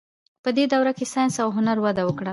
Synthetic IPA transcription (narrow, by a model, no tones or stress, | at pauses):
pəd̪ed̪awɾakesɑjnsawɦʊnaɾwad̪awəkɽa